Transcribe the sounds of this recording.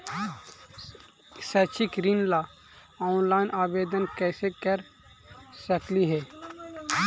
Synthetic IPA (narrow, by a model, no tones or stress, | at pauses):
sɛːt͡ʃɪkɾinlaː | ɔːʊnlaːɪnʔaːʋeːd̪ənkɛːsekəɾ | səkliɦɛː